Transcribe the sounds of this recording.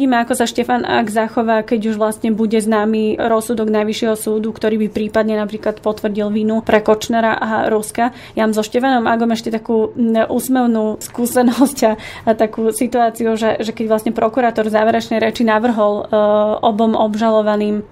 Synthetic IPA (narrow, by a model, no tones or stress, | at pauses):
ɟiːmɛakɔsaʃcɛfana̰ɡzaxɔʋaːkɛɟuʒʋlast̪ɲɛbuɟɛznaːmiɾɔsud̪ɔɡnajʋiʃɪɛɦɔsuːd̪ukt̪ɔɾiːbipɾiːpad̪ɲɛnapɾiːklat̪pɔt̪ʋrɟilʋinupɾɛkɔt͡ʃnɛɾaʔaɾuska | jamzɔʃcɛfanɔmaɡɔmɛʃcɛt̪akuːʔuːsmɛʊnuːskuːsɛnɔscaːt̪akuːsit̪uaːt͡siuʒɛʒɛkɛɟʋlˠast̪ɲɛpɾɔkuɾaːt̪ɔɾvzaːʋɛɾɛt͡ʃnɛjɾɛt͡ʃinaʋr̩ɦɔlɔbɔmʔɔbʒalɔʋaniːm